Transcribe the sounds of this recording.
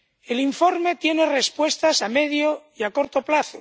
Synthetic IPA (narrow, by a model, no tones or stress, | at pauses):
e̞liɱfo̞ɾme̞t̪je̞ne̞re̞spwe̞st̪asame̞ðjoiako̞ɾt̪o̞plaθo